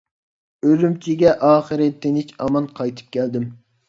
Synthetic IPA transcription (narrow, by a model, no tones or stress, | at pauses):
ølymt͡ʃʰiɡʲɛʔɑːχəɾɨt̪ʰːɪnɪt͡ʃɑmɑnqʰɑjt̪ʰɨ̥p̚kʲɛld̪ɪm